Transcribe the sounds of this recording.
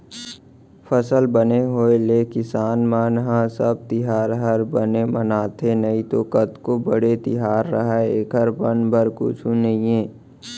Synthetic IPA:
fʰəsəlbəneɦoːelekɪsaːnmaːnɦãsəb̚t̪ɪɦaːɾɦəɾbənemənaːt̪ʰenɐĩt̪okət̪kobəɽet̪ɪɦaːɾːəɦɛeːkʰəɾbənbʱəɾkʊ̰t͡ʃʰũnɐɦĩeː

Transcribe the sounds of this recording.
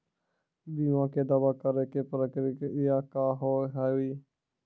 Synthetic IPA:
biːʋãːkeːd̪abaːkəɾekepɾəkɾikɪjaːkaːɦoːɦaːuiː

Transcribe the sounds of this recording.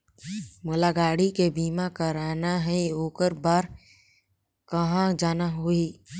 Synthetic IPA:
mʊlaɡaːɽikebiːmakəɾaːnaɦɛoːkəɾbaːɾ | kəɦãd͡ʒaːnaɦoi

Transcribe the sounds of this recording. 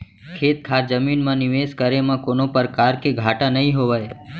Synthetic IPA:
kʰet̪kʰaɾd͡ʒəminmãnɪʋeskəɾemãkonopəɾkaɾkeɡʱaʈãnəɦĩɦoʋaj

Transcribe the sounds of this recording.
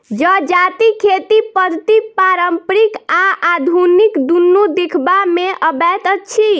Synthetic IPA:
d͡ʒəd͡ʒat̪ikʰet̪ipəd̪ʱt̪ipaɾəmpɾikaʔad̪ʱunikd̪unːud̪ekʰbameʔəbɛt̪ət͡ʃʰi

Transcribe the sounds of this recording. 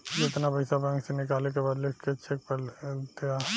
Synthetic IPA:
d͡ʒɪt̪napɐɪsabɛ̃ŋksenɪkaːlek̬ebaːd̪lekʰkeɐʃʰek̚pɐlt̪ea

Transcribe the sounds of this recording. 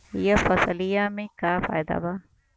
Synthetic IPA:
ijɐfɐsɐlijamikaːfa̰jd̪a̰ba

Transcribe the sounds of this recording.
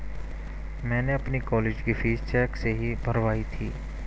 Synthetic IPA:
mɛ̃ːneɐpnikɔːleːd͡ʒkifʰiːzt͡ʃɛːkseɦibʱɐɾʋaːit̪ʰiː

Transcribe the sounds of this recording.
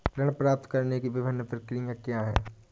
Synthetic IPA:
kɾɐɽ̃pɾaːp̚t̪kɐɾnekiʋɪbʱɪnːəpɾɪkɾijãkjaːɦɛ̰ː

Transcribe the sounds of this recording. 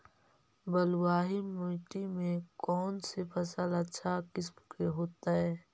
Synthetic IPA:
bəlwaːɦimoːʈimẽkɔːnsepʰɐsələtːʃʰakɪskeɦoːt̪aɦɛː

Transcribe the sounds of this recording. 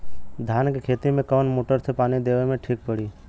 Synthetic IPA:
d̪ʱjaːnkekʰeːt̪imẽkəʋnmoːʈəɾsepaːnid̪eːʋemẽʈʰiːk̚pəɽiː

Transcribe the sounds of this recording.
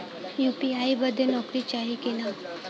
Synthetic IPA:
jupiaibəd̪ʱːenɔkɾiːt͡ɕaɦikela

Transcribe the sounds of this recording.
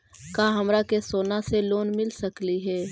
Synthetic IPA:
kaːɦɐmɾakesoːnaseloːnmɪlsɐkliɦɛː

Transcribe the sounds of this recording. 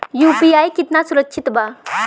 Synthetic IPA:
juːpiaːjkit̪nasuɾəkːʃʰit̪ba

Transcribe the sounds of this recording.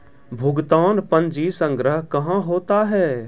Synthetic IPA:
bʱʊɡt̪aːnpə̃nd͡ʒisə̃ŋɡɾəɦkɐɦãɦoːt̪aɦɛː

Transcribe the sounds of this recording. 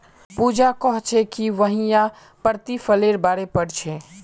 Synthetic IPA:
pud͡ʒakɔɦt͡ʃʰɛkiʋəɦijã | pəɾt̪ipʰəleɾbaɾepəɽt͡ʃʰɛ

